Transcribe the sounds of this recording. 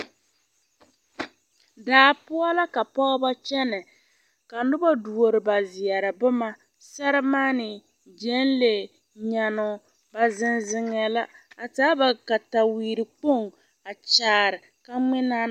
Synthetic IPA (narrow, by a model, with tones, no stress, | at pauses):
daː˨˦pʊ˦ɔ˦la˦ka˨pɔ˦ɣba˦t͡ʃɛ˦nɛ˨ | ka˨nʊ˦ba˦du˨o˨ɾɪ˨ba˨zɪ˨ɛ˨ɾɨ˨bʊ˦ma˦ | sa˦ɾɪ˦maː˦nɪ˨ | d͡ʒɛ˦n˦le˨ | ɲa˨nʊ˨ | ba˨zɪ˦nzɪ˦ŋɛ˨la˦a˨taː˦ba˨ka˨ta˨wiː˨ɾɪ˨k͡po˦˨ŋ | a˨t͡ʃaː˨ɾɪ˨ | ka˦ŋ͡mɪ˦na˦